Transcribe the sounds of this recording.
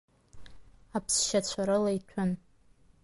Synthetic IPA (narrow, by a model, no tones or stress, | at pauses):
apʰsʃat͡ɕʷʰaɾɨlaitʷʰʊn